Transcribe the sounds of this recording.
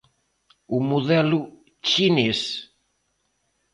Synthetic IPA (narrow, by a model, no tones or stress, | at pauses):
umuðɛlu | t͡ʃines